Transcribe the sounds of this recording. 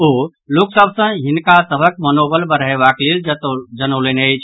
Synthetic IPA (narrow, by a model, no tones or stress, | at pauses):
o | luksəbʱsə̃ɦɪnkasəbʱək̚mənobəlbəɾɦeʋaklild͡ʒət̪d͡ʒənolenejt͡ʃʰ